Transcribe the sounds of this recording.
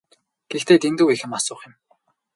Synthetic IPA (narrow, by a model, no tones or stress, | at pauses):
ɡ̥ext̪eːt̪ʰent̪ŭwixɘ̆masʊːχɪ̆m